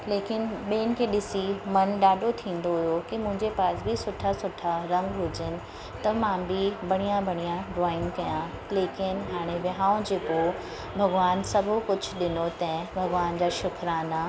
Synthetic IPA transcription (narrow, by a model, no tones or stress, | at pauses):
leːkɪnɓeːnɪ̆kʰeːɗɪsimɐnɗaːɖʱot̪ʰĩːn̆d̪oɦʊjokimʊ̃ɦɪ̃ɲd͡ʑepaːsbɪsʊʈʰasʊʈʰaɾɐ̃ŋɡɦʊd͡ʑɪnɪ̆ | t̪ɐmãbɪbɐɽ̃ijãbʱɐɽ̃ijãɾɔːɪ̃ŋɡkɐjã | leːkɪnɦaːɽ̃eʋɐɦaːʊ̃d͡ʑeːko | bʱɐɡʋaːnsɐbʱokʊd͡ʑʱʊ̆ɗɪnot̪ɐ̃bʱɐɡʋaːnd͡ʑaːʃʊkʰɾaːna